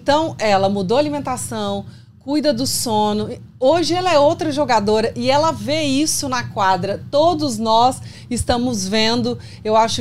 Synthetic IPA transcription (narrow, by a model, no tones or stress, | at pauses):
t̪ɐ̃w̃ɛlɐmud̪oalimẽnt̪asɐ̃w̃ | kujd̪ɐd̪ʊsõnʊ | oʒɪɛlɐɛowt̪ɾɐʒoɡad̪oɾɐʔɪɛlɐveisʊnɐkwad̪ɾɐt̪od̪ʊznɔs | ɪst̪ɐ̃mʊzvẽnd̪ʊ | ewaʃʊ